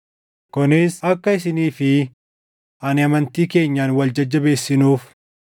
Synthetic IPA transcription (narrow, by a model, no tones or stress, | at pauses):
kɔnɪsɐkːɐɪsɪniːfɪ | ʔɐnɪɐmɐnt̪iːke̞ːɲːaːnwɐld͡ʒɐd͡ʒːɐbe̞ːsːɪnuːf